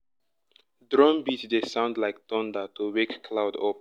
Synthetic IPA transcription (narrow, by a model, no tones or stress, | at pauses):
dɹɔ̃mbitdesãʊ̃ndlaɪk̚tɔ̃ndatʰuwekːʰlaʊdɔp